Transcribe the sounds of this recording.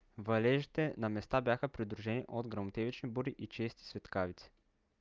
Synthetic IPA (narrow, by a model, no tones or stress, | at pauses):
vɐlɛʒit̪ɛnɐmɛst̪abʲjaxəpɾid̪ɾuʒɛniʔod̪ɡɾɐmot̪ɛvit͡ʃnibuɾiʔit͡ʃɛst̪i̥svɛt̪kavit̪si̥